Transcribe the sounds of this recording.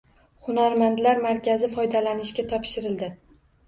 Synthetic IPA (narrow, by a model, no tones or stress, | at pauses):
χʊnaɾmant̪laɾmaɾkʲazɪfɒjd̪alanɪʃkʲat̪ʰɒpʃɪɾɪld̪ɪ